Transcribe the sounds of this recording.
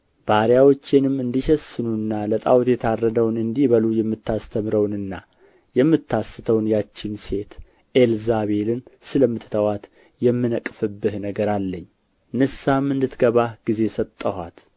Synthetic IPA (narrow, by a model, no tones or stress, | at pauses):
b̥aɾjawo̞t͡ʃːɪnɨmɨnd̪iʃɛsɨnunːalət̪ʼawt̪jɛt̪ʰarːəd̪əwnɨnd̪iβəlujɛmːɨt̪ʰːast̪ʰəmɾəwnɨnːa | jɛmːɨt̪ʰːasːɨt̪ʰəwnjat͡ʃːɪnse̞t̪ | ʔelzaβe̞lɨnsɨləmːɨt̪ʰːɨt̪ʰəwat̪ | jɛmːɨnəkʼfɨbːɨhnəɡəɾalːəɲː | nɨsamɨnd̪ɨt̪ɡəβaɡ̥ize̞sət̪ʼːəha̰t̪